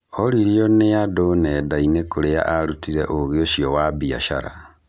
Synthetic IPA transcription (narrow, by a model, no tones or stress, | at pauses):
oɾiɾjoneadonedainekoɾea̰ʔaɾutiɾeʔoɣeoʃiowabia̰ʃa̰ɾa̰